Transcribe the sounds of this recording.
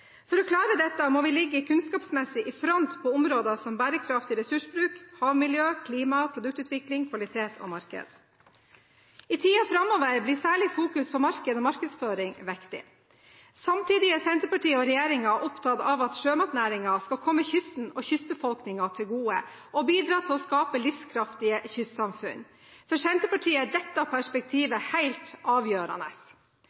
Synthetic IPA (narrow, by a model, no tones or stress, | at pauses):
fɔɾɔkʰlɑːɾəd̪ɛt̪ːəmoʋɪlɪɡːəkʰʉnskɑːpsmɛsɪʔɪfɾɔnt̪pʰɔʊmɾoːd̪ɑsɔmbæːɾəkʰɾɑft̪ɪɾɛsʉʂbɾʉːkhɑːʋmɪljøːkʰliːmɑpʰɾʊd̪ʉk̚t̪ʉːt̪ʰʋɪklɪŋkʰʋɑlɪt̪ʰeːt̪ʰɔ̰mɑɾkə̰d̪̥ | ɪt̪ʰiːɑfɾɑmoːʋəɾblɪsæːɭɪfuːkʉspʰɔmɑɾkəd̪ɔːmɑɾkəd̪sføːɾɪŋʋɛkt̪ɪ̰ | sɑmt̪ʰiːd̪ɪəsɛnt̪əpɑʈiːəɔɾɛjeːɾɪŋɑʔɔpt̪ʰɑd̪ɑʋɑt̪ʃøːmɑt̪næːɾɪŋɑskɑlkʰɔmːəçʏsn̩ɔçʏsbəfɔlknɪŋɑt̪ʰɪlɡuːə̰ | ʔɔbiːd̪ɾɑːt̪ʰɪlɔskɑːpəlɪfskʰɾɑft̪ɪəçʏssɑmfʉ̰n | fɔʂɛnt̪əpɑʈʰiːəd̪ɛt̪ːɑpʰæʂpɛk̚t̪ʰiːʋəhæɪlt̪ʔɑːʋjøːɾɑ̰nə̰s